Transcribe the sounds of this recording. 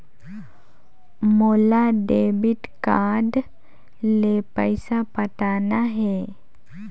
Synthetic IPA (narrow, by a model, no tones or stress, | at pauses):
molaɖebiʈkaɖ | lepəjsapət̪anaɦe